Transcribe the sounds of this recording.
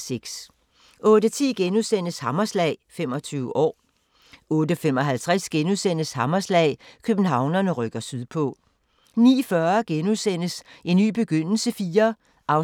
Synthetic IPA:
seɡ̥s | ʔɔ̽ːd̥ət͡sʰḭːɡ̥enuðˠsen̰əshɑmɐslɛ̰ɪfem̰ɒ̽t͡sʰyːʊəʔɒ̰ː | ɔ̽ːdəfemɒ̽ɦælt͡sʰʁasɡ̥enuðˠsen̰əshɑ̈mɐslɛ̰ɪkʰøb̥n̩ɦɑ̈ʊ̰nɐnəʁœɡ̥ɐsyðˠpʰɔ̽ | nḭːfɶɐɡ̥enuðˠsen̰əse̝nːy̰ːb̥e̝ɡ̥øn̰l̩səfiːɐ | ʔɑ̈ʊ

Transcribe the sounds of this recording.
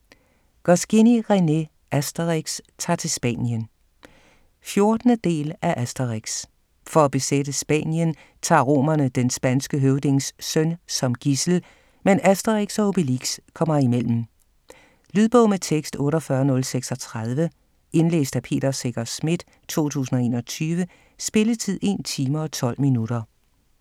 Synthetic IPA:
ɡ̥ɒsɡ̥iniʁene̝ | ʔæsd̥ɐʁeɡ̥st͡sʰɑ̰̈ːt͡sʰe̝lsb̥ɛ̰ːnjən | fjo̝ɐd̥nəd̥e̝̰ːlæʔæsd̥ɐʁiɡ̥s | fɒ̽æb̥e̝sed̥əsb̥ɛ̰ːnjən | t͡sʰɑ̰̈ːʁo̝̰ːmɐnəd̥ensb̥ænsɡ̥əɦøʊd̥e̝ŋsːœnsɒ̽mɡ̥isl̩ | menæsd̥ɐʁeɡ̥sɒ̽ob̥iliɡ̥skʰɒ̽m̰ɐimel̰m̩ | lyð̞ˠb̥ɔ̽ʊmet͡sʰeɡ̥sd̥ɔ̽ːɾɒ̽fɶːɐnɔ̽lseɡ̥sɒ̽t͡sʰʁað̞ˠʋə | e̝nlḛːsd̥æpʰe̝̰ːɾ̥ɐseɡ̥ɐsmid̥ | t͡sʰo̝̰ːt͡sʰṵːsn̩ɒe̝ːnɒ̽t͡sʰyːʋə | sb̥e̝lət͡sʰið̞̰ˠe̝̰ːnt͡sʰiːmɐɒ̽t͡sʰɒ̽l̰minud̥ɐ

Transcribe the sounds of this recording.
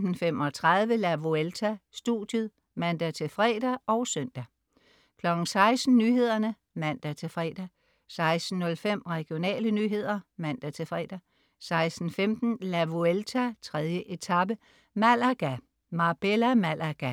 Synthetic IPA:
n̩femɒ̽t͡sʰʁɑðˠʋəlæʋuelt͡sʰæsd̥ṵd̥jəð̩ˠ | mæn̰d̥æt͡sʰe̝fʁɛ̰ːd̥æʔɒ̽ʊsœn̰d̥æ | kʰlɒ̽ɡ̥n̩sɑ̈ɪsd̥n̩nyːɦe̝ð̞̰ˠɐnə | mæn̰d̥æt͡sʰe̝fʁɛ̰ːd̥æ | sɑ̈ɪsd̥n̩ːɔ̽lfem̰ʁɛɡ̥io̝nɛ̰ːlənyːɦe̝ð̞̰ˠɐmæn̰d̥æt͡sʰe̝fʁɛ̰ːd̥æ | sɑ̈ɪsd̥n̩femd̥n̩læʋuelt͡sʰæt͡sʰʁɛðˠjəʔe̝t͡sʰɑ̈b̥ə | mælæɡ̥æ | mɑ̈b̥elæmælʔæɡ̥æ

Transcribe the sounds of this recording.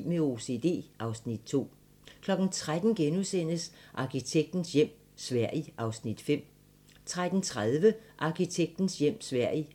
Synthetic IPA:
meo̝se̝̰ːd̥e̝̰ːʔɑ̈ʊsnid̥̚t͡sʰo̝̰ː | kʰlɒ̽ɡ̥n̩t͡sʰʁad̥n̩ɡ̥enusen̰əsʔɑ̈kʰit͡sʰeɡ̥̚d̥n̩sjem̰ | sʋæɐ̰iʔɑ̈ʊsnid̥fem̰ | t͡sʰʁad̥n̩t͡sʰʁað̞ˠʋəʔɑ̈kʰit͡sʰeɡ̥̚d̥n̩sjem̰sʋæɐ̰i

